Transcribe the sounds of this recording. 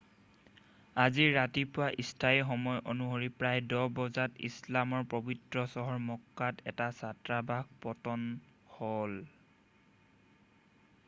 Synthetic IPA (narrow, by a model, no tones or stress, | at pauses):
aziɹatipʊwaʔistʰajxɔmɔjʔonuɦoɹipɹajdɔbɔzatḭslamɔɹpɹobitɹɔsɔɦɔɹmɔkːatʰɛtasatɹabaɡ̚pɔtɔn | hɔl